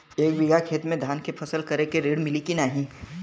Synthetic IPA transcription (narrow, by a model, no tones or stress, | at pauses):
eːk̚bɪɡakʰeːt̪mẽd̪ʱaːnkepʰɐsəlkɐɾekeɾeːɽmɪlikinaːɦĩ